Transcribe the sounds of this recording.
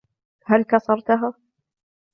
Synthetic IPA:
halkɑsˤɑɾˤt̪ʊɦaː

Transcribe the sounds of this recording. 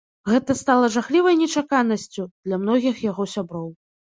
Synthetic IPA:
ɣɛt̪ɐst̪alˠɐʐaxlʲivɐjnʲɛt͡ʂakanɐsʲt͡sʲud̪̥lʲamnɔɣʲixjaɣɔsʲabɾɔw

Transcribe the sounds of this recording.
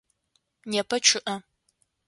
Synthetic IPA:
nɛpʰɐt͡ʃʰɨʔɐ

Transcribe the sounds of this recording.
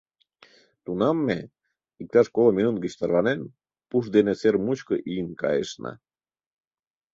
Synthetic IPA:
t̪unɑmːe | ik̚t̪ɑʃkolˠəminunt̪ɡiɕt̪ɑɾβɑnen | puʃd̪eneseɾmuʃkəʔinkɑ̰ḛʃna̰

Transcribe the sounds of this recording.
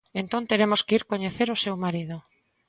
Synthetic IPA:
ẽnt̪ont̪eɾemoskeiɾkoɲeθeɾosewmaɾið̞o

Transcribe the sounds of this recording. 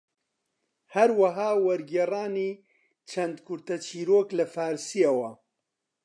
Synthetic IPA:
hɐɾwɐɦaːwɐɾɡeraːniː | t͡ʃʰɐnd̪kʰʊɾt̪ɐt͡ʃʰiːɾoːklɐfaːɾsijawɐ

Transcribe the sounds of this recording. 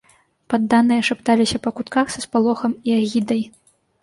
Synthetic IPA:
pad̪ːanɨjɐʂapt̪alʲisʲɐpɐkut̪kaxsɐspalˠɔxɐmiaɣʲid̪ɐj

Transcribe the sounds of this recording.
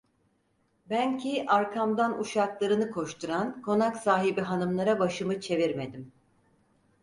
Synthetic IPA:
bæncʰiʔaɾkʰamd̪anuʃaklˠaɾɯnɯkʰo̞ʃt̪ʰuɾankʰo̞naksaːɦibiɦanɯmlˠaɾabaʃɯmɯt͡ʃʰe̞viɾme̞d̪im

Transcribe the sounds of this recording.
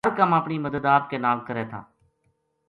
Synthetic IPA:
əɾkəməpɳiməd̪əd̪aːpkenaːlkəɾeːt̪ʰa̰ː

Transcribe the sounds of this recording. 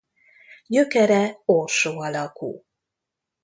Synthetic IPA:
ɟøkɛɾɛorʃoːɒlɒkṵː

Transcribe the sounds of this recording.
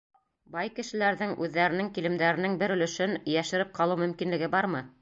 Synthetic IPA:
bɑjkɘ̆ʃɘ̆læɾðɘŋʉðːæɾɘ̆nɘŋkilɘ̆md̪æɾɘ̆nɘŋbɘɾɵ̆lɵ̆ʃɘnjæʃɘ̆ɾɘp̚qʰɑlˠɤwmɵ̆mkinlɘ̆ɡɘbɑɾmɤ

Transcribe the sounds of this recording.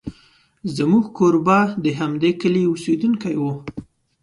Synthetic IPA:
zəmuɡkoɾbɑd̪əɦamd̪ekəleused̪unkajwu

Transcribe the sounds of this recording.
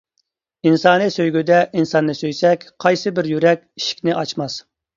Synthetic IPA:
insɑːnɨsøjɡʲyd̪ɛʔinsɑnːɨsøjsɛkʲqʰɑjsɨbɪɾjyɾɛkʲiʃi̥kʲnɪʔɑt͡ʃmɑs

